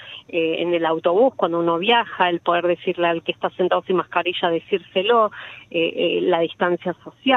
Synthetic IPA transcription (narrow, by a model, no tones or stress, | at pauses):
eḛnelawt̪o̞βuskwand̪ouno̞β̞jaxaelpoðeɾðe̞siɾlealkest̪asent̪aðosimahkaɾiʃaðe̞siɾseloelað̞ist̪ansjaso̞sja